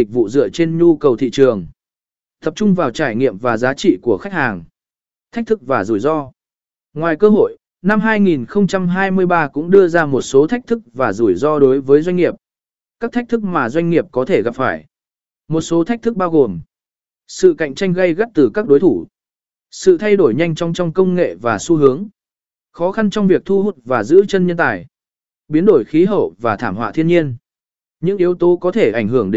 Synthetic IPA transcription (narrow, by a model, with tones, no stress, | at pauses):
i˨˩k̟̚vṵ˧˨zɨ̰˧˨ət͡ɕe˧nɲu˧kə˨˩wt̪ʰḭ˧˨t͡ɕɨ˨˩əŋ | t̪ʰə˨˩p̚t͡ɕʊ˧ŋ͡mvaː˨˩wt͡ɕaː˧˩jŋḭ˧˨əmvaː˨˩zaː˨˦t͡ɕḭ˧˨ku˧˩əxa˦˥k̚haː˨˩ŋ | t̪ʰa˦˥k̚t̪ɨ˦˥k̚vaː˨˩zu˧˩jzɔ˧ | ŋwaː˨˩jkəː˧ɦo̰˧˨j | na˧mɦaː˧jŋi˨˩nxə˧wŋ͡mt͡ɕa˧mɦaː˧jmɨ˧əjɓaː˧kʊ̰˧˥ŋ͡mɗɨ˧əzaː˧mo˨˩t̚so˨˦t̪ʰa˦˥k̚t̪ʰɨ˦˥k̚vaː˨˩zu˧˩jzɔ˧ɗo˨˦jvəː˨˦jzwa˧jŋ̟ŋi˨˩əp̚ | kaː˦˥k̚t̪ʰk̚t̪ɨ˦˥k̚maː˨˩zwa˧jŋ̟ŋi˨˩əp̚kɔ˨˦t̪ʰe˧˩ɣa˨˩p̚faː˧˩j | mo˨˩t̚so˨˦t̪a˦˥k̚t̪ʰɨ˦˥k̚ɓaː˧wɣo˨˩m | sɨ̰˧˨ka̰˧˨jŋ̟t͡ɕa˧jŋ̟ɣa˧jɣə˦˥t̚t̪ɨ˨˩kaː˦˥k̚ɗo˨˦jt̪ʰu˧˩ | sɨ̰˧˨t̪ʰa˧jɗo˧˩jɲa˧jŋ̟t͡ɕɔ˧wŋ͡mt͡ɕɔ˧wŋ͡mkə˧wŋ͡mŋḛ˧˨vaː˨˩su˧ɦɨ˨˦əŋ | xɔ˨˦xa˧nt͡ɕɔ˧wŋ͡mvi˨˩ək̚t̪ʰu˧ɦu˨˩t̚vaː˨˩zɨ̰˧˥t͡ɕə˧nɲə˧nt̪a̰ː˧˨j | ɓi˨˦ənɗo˧˩jxi˨˦ɦə̰ː˧˩p̚vaː˨˩t̪ʰaː˧˩mhwa̰ː˧˨t̪ʰi˧əɲi˧ən | ɲɨ̰˧˥ŋʔi˨˦əwt̪o˨˦kɔ˨˦t̪ʰe˧˩ʔa˧˩jŋ̟ɦɨ˧˩əŋɗ